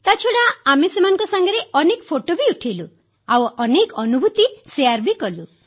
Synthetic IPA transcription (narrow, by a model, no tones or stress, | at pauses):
t̪at͡ʃʰoɽaːmesemanɔ̃ŋkɔsaŋɡɔɾeɔnekɔpʰoʈobiuʈʰilu | awɔnekɔnubʱut̪iseaɾbikɔlu